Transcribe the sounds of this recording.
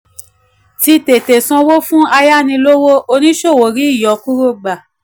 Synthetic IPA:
ti˧te˨te˨sɔ̃˧wo˦fũ˦a˧ja˦˨nĩ˧lo˦wo˦ʔo˧nĩ˦ʃo˦˨wo˨ɾi˨˦i˦˨jɔ˨˦ku˦ɾo˦˨ɡ͡ba˨

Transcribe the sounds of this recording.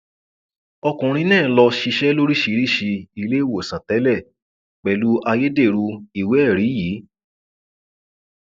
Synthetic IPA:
ɔ˧kũ˨ɾ̃ĩ˧˦nɛ̃ː˦˨lɔ˧ʃi˧ʃɛ˦lo˦ɾi˦ʃi˧˦˧ɾi˦ʃi˧i˧le˦wo˨sã˨tɛ˨˦lɛ˦˨ | k͡pɛ˨lu˦ʔa˧je˦de˦˨ɾu˧i˨we˨˦ɛ˦˨ɾi˨˦ji˨˦

